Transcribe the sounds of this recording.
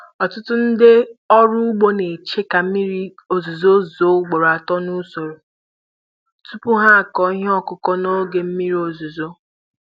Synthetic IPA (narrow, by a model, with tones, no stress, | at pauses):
ɔ˨tʊ˦tʊ˦n̩˦dɪ˦ɔ˦ɾʊ˦ɡ͡bo˦ne˨t͡ʃe˦ka˨m̩˦mi˦ɾi˦ | o˨zu˨zo˦zo˦ɡ͡bo˨ɾa˨tɔ˦nu˦so˨ɾo˨ | tu˦pʊ˦ɦa˦a˨kɔ˨˦i˦ɦe˦ɔ˦kʊ˨kɔ˦no˦ɡe˨m̩˦mi˦ɾi˦o˨zu˨zo˦